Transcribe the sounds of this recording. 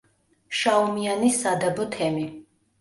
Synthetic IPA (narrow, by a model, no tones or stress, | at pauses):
ʃaɔmianisad̪abɔt̪ʰɛmi